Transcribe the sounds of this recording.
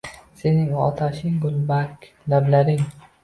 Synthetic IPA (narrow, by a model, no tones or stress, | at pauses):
se̞nɪŋɒ̰t̪ʰaʃɪŋɡʊlˠbakʲ | lablaɾɪŋ